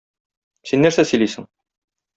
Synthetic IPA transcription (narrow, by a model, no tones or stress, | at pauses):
sinːæɾsæsɵ̆jlijsɘ̆ŋ